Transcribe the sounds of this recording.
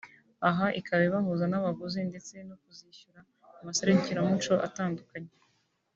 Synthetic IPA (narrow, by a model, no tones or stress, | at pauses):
aɦaʔikʰaβiβaɦuzanaβaɡozinde̞t͡se̞nokuziːʃuɾa | umaseɾeɲciɾamut͡ʃo̞ʔataːndukaɲe